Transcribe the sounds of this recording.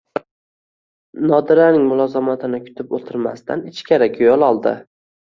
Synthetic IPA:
nɒd̪ɪɾanɪŋmʊlˠɒzamat̪ʰɪnɪkʲʰʊ̥t̪ʰɪpot̪ʰɪɾmast̪ʰa̰nɪt͡ʃkʲʰaɾakʰʲojɒlˠɒlˠd̪ɪ̰

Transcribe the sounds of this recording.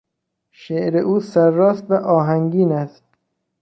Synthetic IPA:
ʃeʔɾeʔuːsæɾːɒːst̪væʔɒːɦæŋɟiːnæst̪̚

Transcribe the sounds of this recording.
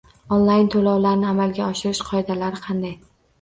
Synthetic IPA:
onlˠajnt̪ʰolɒwlaɾnɪamalɡʲaɒʃɪɾɪʃqʰɒed̪alaɾɪqʰɑnd̪aj

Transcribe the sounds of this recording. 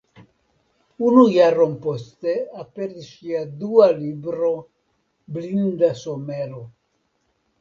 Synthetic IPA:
unujaɾompost̪eapeɾiʃiad̪ualibɾo | blind̪asomelo

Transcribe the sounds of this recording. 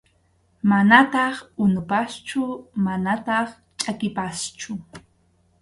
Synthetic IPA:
manat̪ɑχʊnʊpast͡ʃʊmanat̪ɑχ | t͡ʃʼakɪpast͡ʃʊ

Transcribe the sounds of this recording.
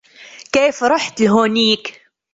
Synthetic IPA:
keːfɾˤɑːħt̪lɦoːniːk

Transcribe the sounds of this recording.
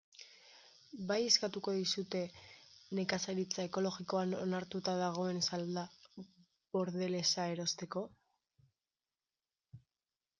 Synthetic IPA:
baje̞skat̪uko̞ðisut̪e̞ne̞kasaɾit͡sae̞ko̞lo̞ɣiko̞anonaɾt̪ut̪aðaɣ̞o̞e̞nsald̪a | βo̞ɾðe̞le̞sae̞ɾo̞st̪e̞ko̞

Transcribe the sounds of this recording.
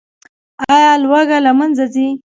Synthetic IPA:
ɑjɑlwaɡalamanzazi

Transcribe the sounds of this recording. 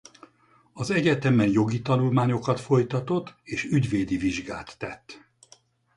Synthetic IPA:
ɒzɛɟɛt̪ɛmɛnjo̞ɡit̪ɒnulmaːɲo̞kɒt̪fo̞jt̪ɒt̪o̞t̪ːeːʃyɟveːd̪iviʒɡa̰ːt̪ːɛt̪ː

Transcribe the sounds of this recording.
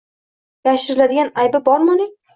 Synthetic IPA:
jaʃɪɾɪlad̪ɪɡʲanajbabɒɾmanɪ

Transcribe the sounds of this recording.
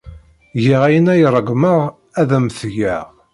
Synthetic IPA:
ʝiʁæjənæjrˤəɡməʁ | æðæmθʝæʁ

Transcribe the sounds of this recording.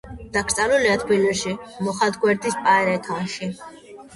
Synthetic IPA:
d̪̥akʰɾt̪sʼaluliat̪ʰbilɛɾʃimɔχad̪ɡwɛɾd̪ispʼaɛɾɛɛt̪ʰanʃi

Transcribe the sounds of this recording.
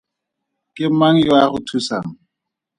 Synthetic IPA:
kʼɪm̩maŋ̩jwaχʊtʰusa̰ːŋ̩

